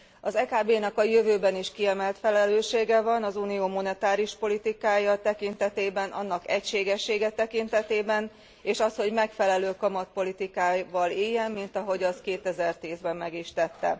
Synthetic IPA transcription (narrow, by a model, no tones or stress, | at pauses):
ɒzɛkaːbeːnɛkɒjøvøːbɛniʃkiɛmɛlt̪fɛlɛløːʃeːɡɛvɒnɒzunijoːmo̞nɛt̪aːɾiuʃpo̞lit̪ikaːjɒt̪ɛkint̪ɛt̪eːbɛnʔɒ̰nːɒkɛcʃeːɡɛʃːeːɡɛt̪ɛkint̪ɛt̪eːbɛn | eːʃɒsho̞ɟmɛkfɛlɛløːkɒmɒt̪̚po̞lit̪ikaːvɒleːjːɛmːint̪ɒɦo̞ɟɒskeːt̪ɛzɛrt̪iːzbɛmːɛɡiʃt̪ɛt̪ːɛ̰